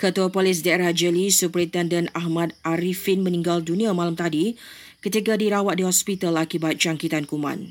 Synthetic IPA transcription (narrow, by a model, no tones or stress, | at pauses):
kət̪uapolɪs̬daeɾahd͡ʒəlisupɾint̪ɛndənaɦmãd̪ʔaɾifinmə̃nĩŋɡaldunĩãmãlamt̪adi | kət̪ikadiɾawat̪̚diɦɔspit̪alakibat̪̚t͡ʃaŋkit̪ankumã̰n